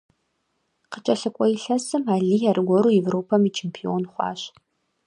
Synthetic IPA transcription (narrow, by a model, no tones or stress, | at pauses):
qət͡ʃʼɐɬɨkʷʼɔɪɬɐsɨmaːɮiːjarɨɡʷɔɾuːjɛvroːpʰɐmit͡ʃʰeːmpʰio̰ːnχʷɑ̰ːɕ